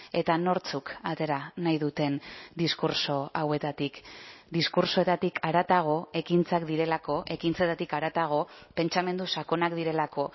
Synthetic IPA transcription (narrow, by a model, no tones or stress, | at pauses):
e̞t̪ano̞ɾt͡sukat̪e̞ɾanajðut̪e̞nd̪iskuɾso̞awe̞t̪at̪ikd̪iskuɾso̞e̞t̪at̪ikʰaɾat̪aɣ̞o̞e̞kint͡sakd̪iɾe̞lako̞ʔe̞kint͡se̞t̪at̪ikaɾat̪aɣ̞o̞pe̞nt͡ʃame̞nd̪usako̞nakd̪iɾe̞lako̞